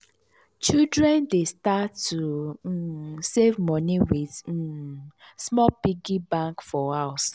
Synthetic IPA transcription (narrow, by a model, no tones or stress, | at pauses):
t͡ʃidɾɛ̃ndestatːu | sevmɔniwið̩ | smɔpiɡibãŋkfɔaʊs